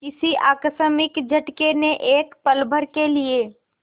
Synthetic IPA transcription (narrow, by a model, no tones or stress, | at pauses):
kɪsiʔaːksəmɪkd͡ʒʱəʈkeneʔeːkpəlbʱəɾkelieː